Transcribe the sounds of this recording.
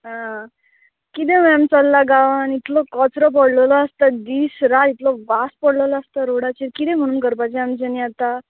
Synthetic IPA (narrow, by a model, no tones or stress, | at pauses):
ɦã | kit̪̬ẽʋɛmt͡səlːaɡaʋanit̪ʰlɔkɔt͡sɾɔp̬əɽləlɔast̪ad̪iːsɾat̪it̪lɔʋaspəɽləlɔast̪aɾoɽat͡ɕiɾkit̪ɛ̃m̤əɽ̃uːnkəɾpajt͡ɕẽamt͡ɕeniat̪a